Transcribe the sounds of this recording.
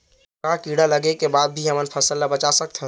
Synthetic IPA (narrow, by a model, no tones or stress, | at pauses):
kãkiɽaləɡekebad̪̚bʱiɦəmənpʰəsəlːabət͡ʃasək̚t̪ʰə